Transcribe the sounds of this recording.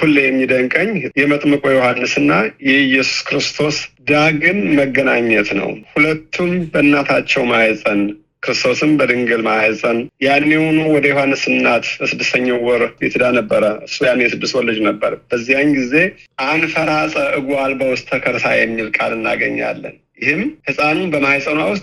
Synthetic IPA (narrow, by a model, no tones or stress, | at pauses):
kulːejɛmːid̪əŋkʼəɲːjɛmət̪ʼmɨkʼojohanːɨsɨnːajɛjɛsu̥skɾɨst̪ʰo̞sd̪aɡɨnməɡːənaɲːət̪nə̰whulət̪ʰːumbəɨnːat̪ʰat͡ʃːɛwmajɛzʼən | kɨɾɨst̪ʰo̞sɨmbəd̪ɨŋɡɨlmajəzʼənjanːehonuwɔd̪əjohanːɨsɨnːat̪bəsɨd̪ːɨst̪ʰəɲːawɔɾjḛt̪ʰɨd̪anəbːəɾəɨsːujanːejɛsɨd̪ːɨswɔlːɨd͡ʒnəbːəɾb̥əzːijaɲɡize̞ʔanfəɾasʼəʔɨɡʷwalbəwʊst̪ʰːəkʰəɾt̪ʰajɛmːilkʼalɨnːa̰ɡəɲːa̰lːə̰n | jɪhɨmhɨsʼanunbəmajsʼənawʊst̪ʼ